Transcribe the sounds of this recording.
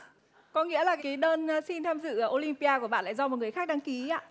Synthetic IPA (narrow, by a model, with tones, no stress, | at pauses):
kɔ˨˦ŋḭ˧˥əlaː˨˩ka˨kaː˨˦jɗəː˧nː˨si˧nt̪ʰaː˧mzɨ̰˧˨ʔo˧li˧mpi˧ʔaː˧ku˧˩əɓa̰ː˧˨nla̰ː˧˨jzɔ˧m˨˩t̚ŋ˨˩əjxaː˦˥k̚ɗa˧ŋki˨˦aː˧˨